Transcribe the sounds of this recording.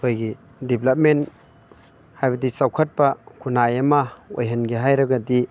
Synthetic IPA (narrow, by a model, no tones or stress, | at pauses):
hojɡi | diblɐp̚men | hajbɐdisawkʰɐt̚pakʰunajɐmao̰jɦɐnɡiɦajɾɐɡadi